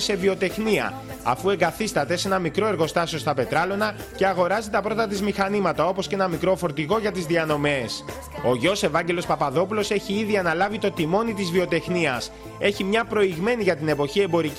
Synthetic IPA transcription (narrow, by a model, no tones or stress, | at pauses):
se̞vio̞t̪e̞xniɐ̰ | ɐ̰fue̞ŋɡɐθist̪ɐt̪e̞se̞nɐmikɾo̞e̞ɾɣo̞st̪ɐsio̞st̪ɐpe̞t̪ɾɐlo̞nɐ | ce̞ɐɣo̞ɾɐzit̪ɐpɾo̞t̪ɐt̪̬izmixɐnimɐt̪ɐo̞po̞scenɐmikɾo̞fo̞ɾt̪iɣo̞ʝɐt̪izðiɐno̞me̞s | o̞ʝo̞se̞vɐɲɟe̞lo̞spɐpɐðo̞pulo̞se̞çiiðiɐnɐlɐvit̪o̞t̪imo̞nit̪izvio̞t̪e̞xniɐs | e̞çimɲɐpɾo̞iɣme̞niʝɐt̪ine̞po̞çie̞mbo̞ɾi